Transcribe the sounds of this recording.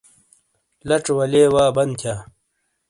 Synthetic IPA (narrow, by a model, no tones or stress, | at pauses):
lɐʈ͡ʂwɐleːwaːbɐnd̪t̪ʰjaː